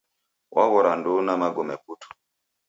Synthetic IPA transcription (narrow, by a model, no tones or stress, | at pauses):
wʔa̰ɣɔɾandunamaɡɔmɛputu̥